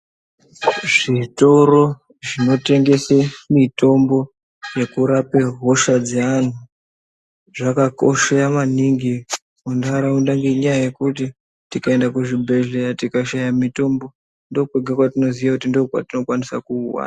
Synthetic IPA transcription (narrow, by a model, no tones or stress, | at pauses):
ʐito̞ɾo̞ | ʐino̞te̞ŋɡe̞semito̞mbo̞ | je̞kuɾapeɦo̞ʃad͡zean̤u | ʐakako̞̰ʃeamaniŋɡi | undaɾaundaŋɡeɲajaje̞kut̬i | tikae̞ndakuʐibʱe̞ɮejatikaʃajamito̞mbo̞ | ndo̞kweɡʱekwatino̞ziʋakutindokwa̰tino̞kwanisakuːwa̰ːna